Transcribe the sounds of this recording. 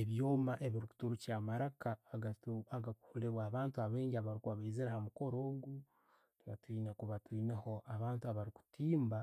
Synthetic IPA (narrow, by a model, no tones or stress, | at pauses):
eβjoːmaʔe̞βiɾiku̥tuɾucamaɾakaːɡatuaɡaku̥huleɾwaːβaːntuaβe̞ːɲɟiaβaɾikuβaβeːzeɾahamuko̞ɾoːɡu | tuβa̰twiːnekuβatiːneho̞ʔaβaːntuaβaɾiku̥tiːmba